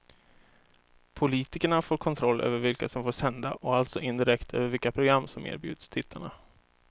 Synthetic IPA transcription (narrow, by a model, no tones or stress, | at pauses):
pʰʊliːt̪ɪkəɳafoːɾkʰɔnt̪ʰɾɔlːʔø̰ːvəɾvɪlkasɔmfoːʂɛnd̪aʔɔalt̪sɔʔɪnd̪ɪɾɛkt̪ʰø̰ːvəɾvɪlkapʰɾʊɡɾamːsɔmḛːɾbjʉ̟ːd̪st̪ʰɪt̪ʰːaɳa